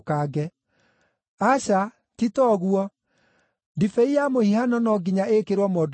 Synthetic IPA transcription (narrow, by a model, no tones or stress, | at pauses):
kaɡɛ | aɕa | titɔɣuɔ | difɛiamohihanɔnɔɡiɲaekeɾwɔmɔːd